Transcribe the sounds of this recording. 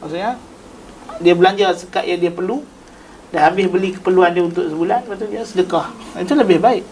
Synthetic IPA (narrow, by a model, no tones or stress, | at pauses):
maʔsuʔɲa | diabəlaɲd͡ʒasəkaʔ̪jaŋdiapərlu | dahabɪsbəlikə̥pərluandiaunt̪ʊk̚səbulanpat̪udiasədəkaha̰nt̪̬uləbɪhbaɪʔ